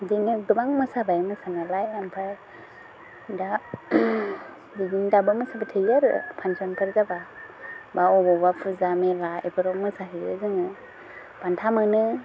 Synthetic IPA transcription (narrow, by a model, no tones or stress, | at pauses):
dinɯdɯbaŋmɯsabajmɯsanalajampʰaj | da | diɡindabɯmɯsabatʰɯjaɾɯ̰pʰansɔnpʰɯɾzaba | baɔbɔbapʰɯzamelaepʰɯɾɔŋmɯsaɦɯjɯ̰zɯŋɯ | b̥antʰamɯnɯ